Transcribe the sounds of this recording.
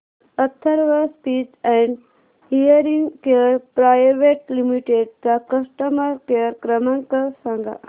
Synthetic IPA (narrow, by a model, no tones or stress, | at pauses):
ət̪ʰːəɾʋəspidɛ̃ɳɖ | hijəɾiŋɡkeɾpɾajʋeʈlimiʈeɖ̚kakəsʈəməɾkeɾkɾəmãŋkəsãŋɡa̰